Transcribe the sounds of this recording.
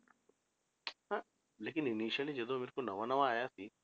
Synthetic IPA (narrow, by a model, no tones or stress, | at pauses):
a | leːk̬ininiːʃɐlid͡ʒed̪oːmiɾkunɐʋɐnɐʋaaːjaːsi